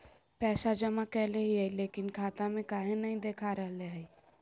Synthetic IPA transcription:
pɛːsad͡ʒəmakɛːleɦiɦaleːkɪnkʰaːt̪amẽkaːɦẽnɐɦĩd̪eːkʰaɾəɦleɦɛi

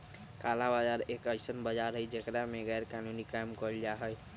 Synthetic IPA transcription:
kalabad͡ʒaɾekəɪsənbəd͡ʒaɾɦəjd͡ʒekɾameɡɛjɾkanunikajmkɔld͡ʒaɦəj

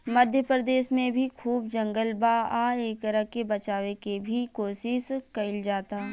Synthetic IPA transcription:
məd̪ʱjəpɾəd̪eːʃmẽbʱikʰuːbd͡ʒɐ̃ŋɡəlbaaːeːk̚t̪əɾəɦkebɐt͡ʃaːʋekebʱikoːʃɪʃkɐɪld͡ʒaːt̪a

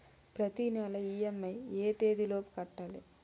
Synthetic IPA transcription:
pɾɐt̪inɛlɐiːemːɐjeːt̪eːd̪iloːpu̥kɐʈːaːli

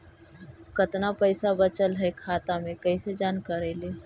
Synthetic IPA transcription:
kɐt̪napɐɪsabɐt͡ʃəlɦɛkʰaːt̪amẽkɐised͡ʒaːnkəɾeːleː

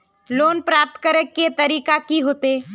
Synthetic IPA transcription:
loːnpɾaːp̚t̪kəɾəkːet̪ɐɾiːkakiɦoːt̪eː

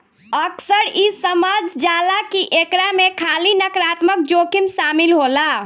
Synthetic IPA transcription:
əksəɾisəmad͡ʒd͡ʒalakiʔekɾamekʰalinəkɾat̪məkd͡ʒokimsamilɦola

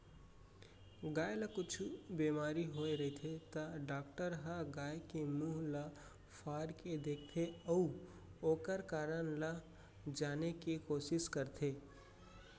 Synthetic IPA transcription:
ɡaːjləkʊt͡ʃʰubemaːɾiɦoeɾəit̪ʰet̪əɖaːk̚ʈəɾɦəɡaːjkemuɦlə | pʰaːɾked̪eːkʰt̪ʰeəu | oːkəɾkaːɾənlə | d͡ʒaːnekekoːsɪskəɾt̪ʰeː

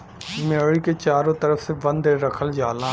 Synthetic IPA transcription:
meɽiket͡ʃaːɾõːt̪əɾəfsebə̃nd̪ɾəkʰəld͡ʒaːlãː

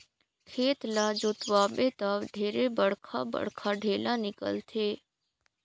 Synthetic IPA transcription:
kʰeːt̪laːd͡ʒoːt̪waːbet̪aʋɖ̪ʱeːɾebəɽkʰa̰bə̰ɽkʰaɖʱeːlanɪkə̰lt̪ʰeː

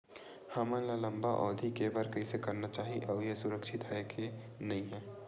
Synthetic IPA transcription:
haːmə̃nlalɐ̃mbaʔɔːd̪ʱikebəɾkɐisekɐɾnat͡ʃaːɦiʔɐjesʊɾəkʃɪt̪ɦaekʰe | nɐĩɦɛ̃ː

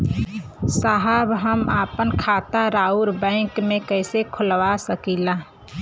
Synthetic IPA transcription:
saɦabɦəmaːpənkʰaːt̪aɾaːuɾbɛ̃ɪ̃ŋkmẽkəɪsekʰʊlwasəkiːla

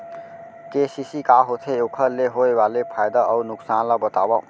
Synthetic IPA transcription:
kesisikaɦot̪ʰeokʰəleɦoebalepʰajd̪aːwnuksanlabət̪abɔ

